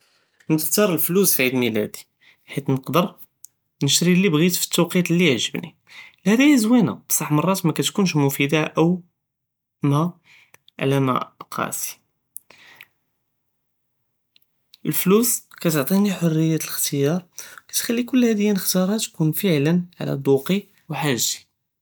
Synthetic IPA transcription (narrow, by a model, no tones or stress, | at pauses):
nəxt̪ɑɾˤəlflusfʕid̪milæ̰d̪i̥ | ħit̪nəqd̪əɾˤ | nəʃt̪ɾilːibɣit̪fi̥t̪ːɑqit̪lːiʕʒəbnḭ | lhæd̪æjæzwina̰bsˤɑħmɑrˤːɑt̪mækæt̪kunʃmʊfid̪aʔəw | mæ | ʕ̰læmæ̰qʰɑ̰si̥ | ʔəlfluskæt̪oʕt̪ˤiniħorːəjːæt̪ələxt̪əjɑɾˤwkæ̥t̪xælːikʊlːhæd̪əjːænəxt̪ɑɾˤɑt̪kunfəʕlənʕa̰læ̰d̪ˤuqi | wħaʒzi̥